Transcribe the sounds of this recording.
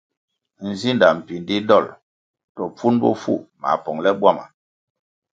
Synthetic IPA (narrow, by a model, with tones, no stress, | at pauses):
n̩˨zi˦nda˨m̩˨pi˨n˦di˦dɔ˦˨l | tɔ˨p͡fu˦nbɔ̰˦fṵ˦˨ma̰˨pɔ˨ŋlɛ˦bwa˦˨ma̰˨